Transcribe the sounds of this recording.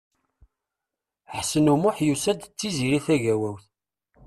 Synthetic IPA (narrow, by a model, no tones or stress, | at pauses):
ħsənumʊħjusæd̪t͡sːiziɾiθæʝæwæwθ